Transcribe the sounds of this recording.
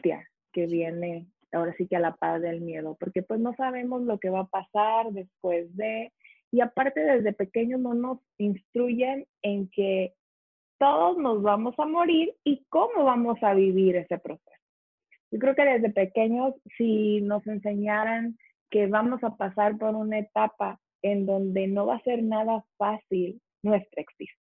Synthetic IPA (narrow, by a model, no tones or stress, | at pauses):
t̪ja̰ | ke̞βje̞ne̞ | ao̞ɾasikealapazðe̞lmje̞ð̞o̞po̞ɾke̞pwe̞zno̞saβ̞e̞mo̞zlo̞ke̞βapasaɾðe̞spwe̞zðe̞ | iapaɾt̪e̞ðe̞zðe̞pe̞ke̞ɲo̞zno̞no̞s | inst̪ɾuʝe̞n | e̞ŋke̞ | t̪o̞ðo̞zno̞zβamo̞samo̞ɾiɾiko̞mo̞βamo̞saβiβiɾe̞se̞pɾo̞se̞so̥ | ʝo̞kɾe̞oke̞ðe̞zðepe̞ke̞ɲo̞sːino̞se̞nse̞ɲaɾaŋ | ke̞βamo̞sapasaɾpo̞ɾunae̞t̪apa | end̪o̞nd̪e̞no̞βase̞ɾnaðafasil | nwe̞st̪ɾekst̪iso